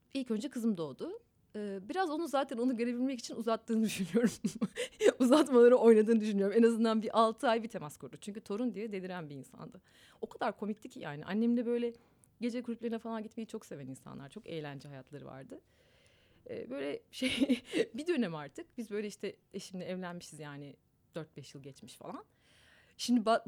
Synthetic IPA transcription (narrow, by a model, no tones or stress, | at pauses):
ilʲcø̞nd͡ʒɛkʰɯzɯmd̪o̞ːd̪ʊ | ɯːbiɾazo̞nuzaːt̪ʰæno̞nuɟø̞ɾe̞bilʲmɛci̥t͡ʃʰinuzat̪ːɯːnɯd̪yʃynyjo̞ɾum | uzat̪malˠaɾɯo̞jnad̪ɯːnɯd̪yʃynyjo̞ɾumenazɯnd̪anbiʔalˠt̪ʰɯajbit̪ʰe̞maskʰuɾd̪ut͡ʃʰyɲcyt̪ʰo̞ɾund̪ijɛd̪elʲiɾænbiiːnsa̰nd̪a | o̞kʰad̪aɾkʰo̞miclʲicʰija̰ːnḭʔa̰nːemiɛbø̞jlʲɛ | ɟe̞d͡ʒɛkʰuɾʲupʲeɾinɛfalˠanɟit̪me̞jit͡ʃʰo̞kse̞vɛninsa̰nlˠaɾt͡ʃʰo̞kejlʲænd͡ʒɛɦajat̪ʰlˠaɾɯva̰ɾd̪ɯ | ɛ̰ːbø̞jlʲɛʃejbid̪ø̞nɛmaɾt̪ʰɯk̚b̥izbø̞jlʲɛiʃt̪ʰɛeʃimlʲɛɛvlʲænmiʃizjaːnɪ | d̪̥øɾt̪̚bɛʃjɯlˠɟɛt͡ʃmiʃfa̰lˠan | ʃimd̪iba